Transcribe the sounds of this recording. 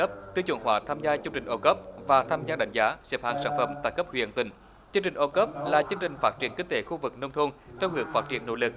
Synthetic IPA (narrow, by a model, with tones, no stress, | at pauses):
ə˦˥p̚t̪ɨ˧t͡ɕṵ˨˧˩ŋhwaː˨˩t̪ʰaː˧mzaː˧t͡ɕɨ˧ŋt͡ɕï˨˩ŋ̟ʔo˧kə˦˥p̚vaː˨˩t̪ʰaː˧mzaː˧ɗa˨˧˩jŋ̟zaː˨˦sɛ˨˥p̚ha̰ː˧˩ŋsaː˧˩˦nfə˨˩mt̪aː˧˩jkə˦˥p̚hwḭ˧˨ənt̪ï˨˩ŋ̟ | t͡ɕɨ˧əŋt͡ɕï˨˩ʔo˧kə˦˥p̚laː˨˩t͡ɕɨ˧əŋt͡ɕï˨˩ŋ̟faː˦˥t̚t͡ɕi˨˧˩ənkï˧ŋt̪e˨˦xu˧vɨ˨˩k̚nə˧wŋ͡mt̪ʰu˧nt̪ʰɛ˧whɨ˨˧˦əŋfaː˦˥t̚t͡ɕi˧˩ənːo̰˧˥lɨ˨˩k̚